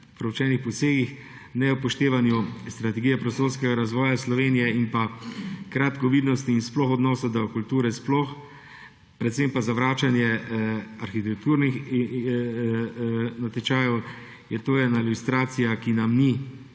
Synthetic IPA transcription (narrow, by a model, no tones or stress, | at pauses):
pɾɛwt͡ʃɛːnixpɔseːɡix | nɛwpɔʃt̪eːʋanjust̪ɾat̪ɛɡijɛpɾɔst̪oːɾskɛɡaɾazʋɔːjaslɔʋeːnijɛinpakɾat̪kɔʋiːd̪nɔst̪iːnsplɔxɔd̪nɔːsad̪ɔkult̪uːɾɛsplɔx | pɾɛt̪sempazaʋɾaːt͡ʃanjɛ | aɾxit̪ɛk̚t̪uːɾnix | nat̪ɛt͡ʃaːjɔw | jɛt̪oːjɛnailʲust̪ɾaːt̪sijakinamni